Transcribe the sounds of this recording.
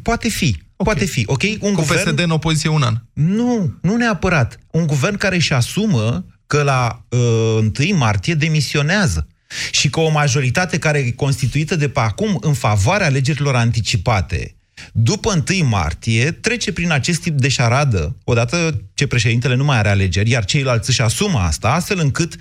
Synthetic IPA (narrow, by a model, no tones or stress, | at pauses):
poat̪e̞fipoae̞fiʔo̞kʲe̞juŋɡupeered̪eɨno̞po̞zit̪sijeunannununeapəɾat̪uŋɡuve̞rnkaɾeʃasuməkəlaəɨnt̪ɨjmart̪ije̞d̪e̞misio̞neazə | ʃikəo̞maʒo̞ɾit̪at̪e̞kaɾeeko̞nst̪it̪uit̪əd̪e̞peakumɨnfavoaɾeaːle̞d͡ʒe̞ɾilo̞ɾant̪it͡ʃipat̪e̞̰ | d̪upəɨnt̪ɨjma̰rt̪ije̞t̪ɾe̞t͡ʃe̞pɾinat͡ʃe̞st̪ːip̚d̪e̞ʃaɾad̪əo̞d̪at̪ət͡ʃe̞pɾe̞ʃ̬e̞d̪int̪ele̞numajaɾeale̞d͡ʒe̞rʲjart͡ʃe̞jlalt̪sʲɨʃasuməa̰st̪aast̪fe̞lɨŋkɨt̪